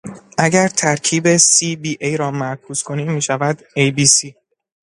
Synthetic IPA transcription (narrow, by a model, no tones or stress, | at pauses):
ʔæɟæɾt̪ʰæɾcʰiːbe̞sibiːʔejɾɒːmæɾkʰuːz̥kʰo̞niːmːiːʃævæd̪ejbiːsiː